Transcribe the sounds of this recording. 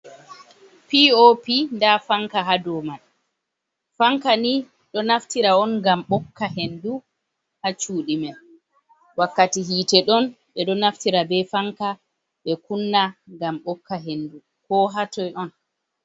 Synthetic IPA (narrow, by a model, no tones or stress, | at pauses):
piopindafaŋkaɦadɔman | faŋkani | ɗɔnaftiɾaɔnɡamɓɔkːaɦendu | hat͡ʃuːɗimɛ | wakːatiɦiːtɛɗɔn | ɓɛɗɔnaftiɾabɛfaŋka | ɓɛkunːaɡamɓɔkːaɦendu | kɔɦatɔjʔɔn